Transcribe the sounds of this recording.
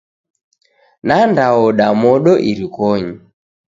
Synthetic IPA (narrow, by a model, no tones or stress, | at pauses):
nandaɔɗamɔɗɔʔiɾikɔɲi